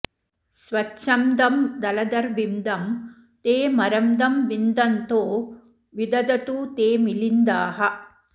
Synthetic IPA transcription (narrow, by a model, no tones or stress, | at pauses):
sʋɐtːʃɐmd̪ɐmd̪ɐlɐd̪ɐɾʋimd̪ɐm | t̪eːmɐɾɐmd̪ɐmʋind̪ɐnt̪oː | ʋid̪ɐd̪ɐt̪uːt̪eːmilind̪aːɦɐ